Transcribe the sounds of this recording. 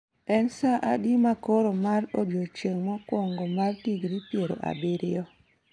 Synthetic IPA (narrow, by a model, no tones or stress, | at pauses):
ɛnsaʔa̰dimakoɾomarodjot͡ʃeŋmɔkwoŋɡomartiɡɾipjeɾo̰ʔa̰bɪɾɪjɔ